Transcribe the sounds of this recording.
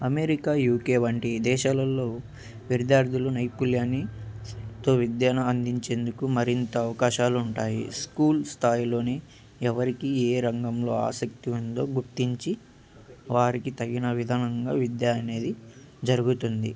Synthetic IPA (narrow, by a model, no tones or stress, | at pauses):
ɐme̞ɾikaːjuːkeːʋɐɳʈid̪ɛːʃaːlɐlːoː | ʋiɾd̪jaːɾd̪ʱulunɐjpuljaːni | t̪o̞ːʋid̪jaːnɐɐnd̪iɲt͡ʃe̞ːnd̪ukumɐɾint̪ɐːʋɐkaːʃaːluːɳʈaːjḭskuːlst̪ʰaːjlo̞ːni | ɛʋɐɾikieːɾɐŋɡɐmlo̞ːa̰ːsɐk̚t̪iund̪o̞ːɡuɾt̪iɲt͡ʃi | ʋaːɾikit̪ɐɡinɐʋid̪ʱaːnɐŋɡaːʋid̪jaɐne̞ːd̪i | d͡ʒɐɾuɡut̪und̪ḭ